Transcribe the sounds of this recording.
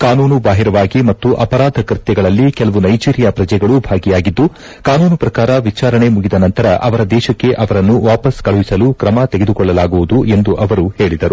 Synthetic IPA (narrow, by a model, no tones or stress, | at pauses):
kaːnuːnubaːɦiɾɐʋaːɡimɐt̪ːuʔɐpɐɾaːd̪ʱɐkɾit̪jɛɡɐɭɐlːikɛlɐʋunɐjt͡ʃiːɾjɐpɾɐd͡ʒɐjɡɐɭubʱaːɡijaːɡid̪ːu | kaːnuːnupɾɐkaːɾɐʋit͡ʃaːɾɐɳe̞muɡid̪ɐnɐnt̪ɐɾɐʔɐʋɐɾɐd̪ɛːʃɐkːe̞ʔɐʋɐɾɐnːuʋaːpɐskɐɭuʋisɐlukɾɐmɐt̪eɡed̪ukɔɭːɐlaːɡuʋud̪uʔe̞nd̪uʔɐʋɐɾuhe̞ːɭid̪ɐɾu